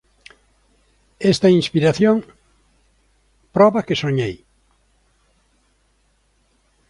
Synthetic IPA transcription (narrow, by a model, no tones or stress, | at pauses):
est̪ainspiɾaθjoŋ | pɾɔβɐkesoɲej